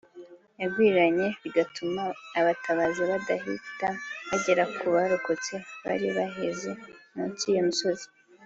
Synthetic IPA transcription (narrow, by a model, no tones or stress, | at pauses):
jabɡwiːɾaɲe̞βiɡatʰumaːβatʰaβaziβadaɦḭtaβaɟe̞ɾakʰuβaɾukot͡seβa̰ɾiβaɦezemuciːjomuso̞zi̥